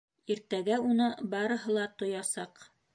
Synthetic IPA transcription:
iɾt̪æɡæunɤbɑɾɤ̆ɦɤ̆lˠɑt̪ŏjɑsɑq

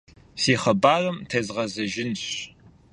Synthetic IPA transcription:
seːχɐbaːrɐmtʰezʁɐzɐʒɪnɕ

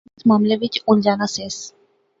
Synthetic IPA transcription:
t͡smaːmleʋit͡ʃuld͡ʑanases

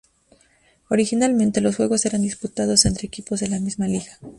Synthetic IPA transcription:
o̞ɾixinalmẽnt̪e̞lo̞s̬xwe̞ɣo̞se̞ɾand̪isput̪að̞o̞se̞nt̪ɾe̞ːkipozðe̞lamizmaliɣa

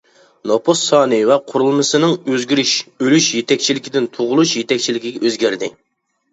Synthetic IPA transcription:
nopʰosɑːnɨvɛqʰʊɾulˠmɨsɨnɨŋøzɡʲyɾyʃølyʃjet̪ʰɛk̚ʲt͡ʃʰilɪkʲʰid̪ɪnt̪ʰoʁʊlˠuʃjet̪ɛk̚ʲt͡ʃʰilɪkʲiɡʲɛʔøzɡʲæɾd̪ɪ̰

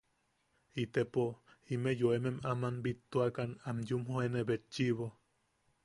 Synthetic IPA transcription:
it̪epoimejoememamanbit̪ːoakanamjumhoenebet͡ʃːiβo

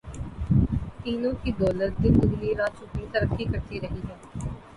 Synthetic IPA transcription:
p̪iːnõːkiːd̪ɔːləɾd̪iːkʊd̪liːɾaːt͡ʃupĩːt̪əɾəkʰːiːkəɾt̪iːɾəɦiːɦɛː

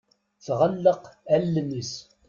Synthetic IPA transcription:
θʁəlːəqælːnəs

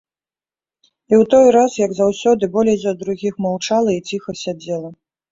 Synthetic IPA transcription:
iwt̪ɔjɾasjɐɡzawsʲɔd̪ɨbɔlʲɛjzʲɐd̪ɾuɣʲixmawt͡ʂalˠɐit͡sʲixɐsʲad͡zʲɛlˠɐ

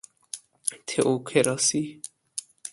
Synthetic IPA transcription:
t̪ʰeʔokʰeɾɑsi

